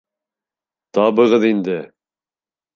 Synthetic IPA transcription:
t̪ɑβɤ̆ʁɤðind̪ɘ

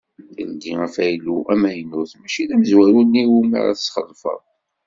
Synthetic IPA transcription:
θəld̪iʁæfæjluʔæmæjənːʊθmæʃiðæməzwæɾunːiwumə̰ɾæ̰θə̥sχəlfə̰ðˤ

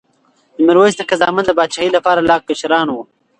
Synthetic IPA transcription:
d̪əmɪɾwosd̪əkazɑ̰ːmand̪əbɑːd̪ʃaːhilapɑːɾalɑːk̚pɪʃɾɑːnwu

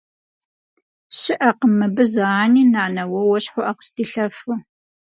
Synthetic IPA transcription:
ɕɪʔɐqəmɨbɨzɐaːniːnaːnɐwɐwɐɕħʊʔɐqə̥sdiːɬɐfu

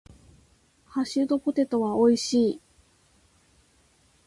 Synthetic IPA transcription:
haɕɨd̪o̞po̞t̪e̞t̪o̞βaoiɕiː

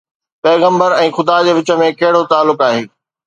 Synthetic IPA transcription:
pɛːɣə̃mbəɾɛ̃ːxʊd̪ad͡ʑeːʋɪt͡ɕə̆mẽkɐɦɪɽot̪aːlːʊkaːɦeː

